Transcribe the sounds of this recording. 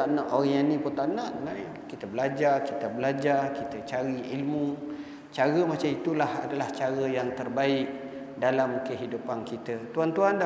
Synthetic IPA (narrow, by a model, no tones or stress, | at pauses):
taʔnaʔoɾaanĩpunt̪aʔnaʔna | kit̪əbəlad͡ʒarkit̪əbəlad͡ʒarkit̪ət͡ʃaɾiilmu | t͡ʃaɾəmat͡ʃamit̪ulaha̰dalaht͡ʃaɾəjaŋt̪ərbaɪk̚ | dalamkəɦidupankit̪ət̪uant̪uanda